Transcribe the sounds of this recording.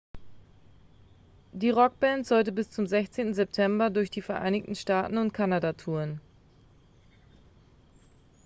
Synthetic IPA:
d̥iːʁɔk̚b̥ɛːntz̥ɔltəbɪst͡sʊmzɛçt͡seːntn̩zɛp̚tʰɛmbɐdʊɐçd̥iːfɛɐʔa̰ɪnɪçtn̩ʃtaːtn̩ʊntkʰanadatʰuːʁən

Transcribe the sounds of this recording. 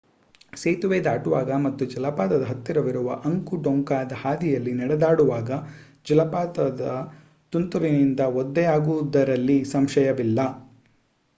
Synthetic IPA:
seːt̪uʋeːd̪aːʈuʋaːɡɐmɐt̪ːud͡ʒɐlɐpaːt̪ɐd̪ɐɦɐt̪ːiɾɐʋiɾuʋɐ̰ʔɐŋkuɖoŋkaːd̪ɐhaːd̪ijɐlːinɛɽɛd̪aːɽuʋaːɡɐ | d͡ʒɐlɐpaːt̪ɐd̪ɐ | t̪unt̪uɾinind̪ɐɔd̪ːɛjaːɡud̪ɐɾɐlːisɐmʃɐjɐʋilːɐ

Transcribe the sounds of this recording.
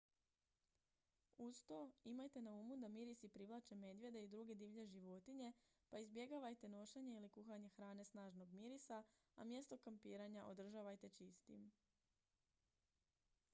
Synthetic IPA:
ust̪oimajt̪e̞nauːmud̪amiɾisipɾiʋlˠat͡ʃe̞me̞d̪je̞d̪eid̪ɾuɡe̞d̪iːʋʎe̞ʒiʋo̞t̪iɲe̞ | paizbje̞ɡaʋajt̪e̞no̞ʃeɲe̞ilikuxaɲe̞xɾaːne̞snaːʒno̞ɡmiɾisa | a̰mje̞st̪o̞kampiːɾaɲaʔo̞d̪r̩ʒaːʋajt̪e̞t͡ʃist̪ḭm

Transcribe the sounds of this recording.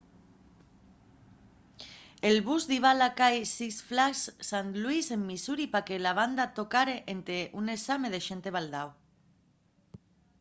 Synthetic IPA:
elβuzðiβ̞alakajsisflassanluise̞mːisuɾipakelaβ̞and̪at̪okaɾeʔent̪eʔunesameð̞eʃent̪e̞β̞ald̪aw

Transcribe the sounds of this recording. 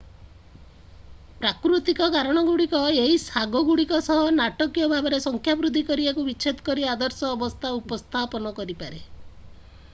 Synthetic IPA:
pɾakɾut̪ikɔkaɾɔɽ̃ɔɡuɽikɔeɦisaɡɔɡuɽikɔsɔɦɔnaʈɔkijɔbʱabɔɾesɔŋkʰjabɾud̪ʱikɔɾibakubit͡ʃʰet̪ɔ̥kɔɾiad̪ɔɾsɔːbɔst̪ʰaupɔst̪ʰapɔnɔkɔɾipaɾe

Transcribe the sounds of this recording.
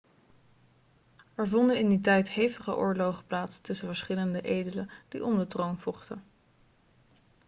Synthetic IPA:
ɛɹvɔndənɪnditɛjtɦejvəχə̰ʔʊ̰ːɹlowχə̥plaːtstɵsəvəɹsχɪləndəʔejdələd̥ḭʔɔndətrownvɔχtə

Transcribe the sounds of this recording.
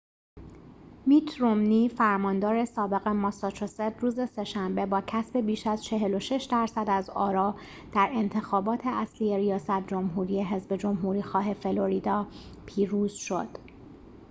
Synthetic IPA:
miːt̪ʰɾomniːfæɾmɒːnd̪ɒːɾe̞sɒːbe̞ɣemɒsɒt͡ʃʰosed̪ɾuːze̞se̞ʃæmbe̞bɒːcʰæsbe̞biːʃæzt͡ʃʰe̞ɦe̞lo̞ʃe̞ʃd̪æɾsæd̪æzɒːɾɒː | d̪̥æɾe̞nt̪ʰe̞xɒːbɒːt̪ʰe̞ʔæsliːje̞ɾijɒːsæt̪̚ʰd͡ʒo̞mɦuːɾije̞ɦezbe̞d͡ʒo̞mɦuːɾiːxɒːɦe̞fe̞lo̞ɾid̪ɒːpʰiːɾuːz̥ʃo̞̰d̪̥

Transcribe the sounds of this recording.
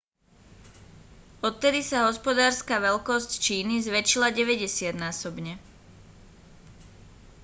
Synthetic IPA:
ɔt̪̚ːɛd̪isaɦɔspɔd̪aːɾskaːʋɛlkɔsct͡ʃiːnizʋɛt͡ʃilaɟɛʋɛɟɛsɪad̪naːsɔbɲɛ

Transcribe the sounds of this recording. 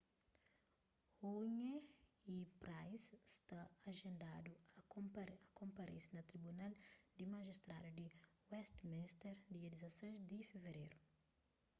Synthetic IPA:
huɲeipɾajsst̪aɐʒẽnd̪ad̪uɐkõpɐkõmpɐɾḛ̃sɐnɐt̪ɾibunald̪imaʒist̪ɾa̰d̪ud̪iwɛst̪mĩst̪ɛɾd̪iɐd̪izɐsẽzd̪ifeveɾejɾu

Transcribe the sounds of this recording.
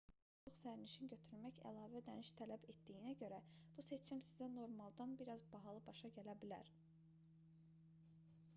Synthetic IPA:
uχsæɾniʃinɟø̞t̪ʰyɾmæçæ̰lˠɑːvæd̪æniʃt̪ʰælæbe̞t̪d̪ijinæɟø̞ɾæ | b̥use̞t͡ʃʰimsizæno̞ɾmɑlˠd̪ɑnbiɾɑzbɑɦɑlˠɯbɑʃɑɟælæbilæ̰ɾ

